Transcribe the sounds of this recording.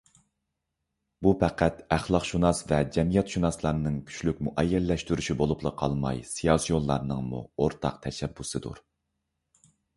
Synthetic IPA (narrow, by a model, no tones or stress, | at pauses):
bupʰæqæt̪æχlˠɑqʃunɑsvɛd͡ʒɛmijɛt̪ʃunɑslˠɑɾnɨŋkʲʰy̥ʃlykʲmuʔɛjːɛlːɛʃt̪yɾyʃibolˠuplˠəqʰɑlˠmɑ̰jsijɑsijonˠlˠɑɾnɨŋmṵoɾt̪ʰɑ̰q̚t̪ʰɛʃɛbːusɨd̪ṵɾ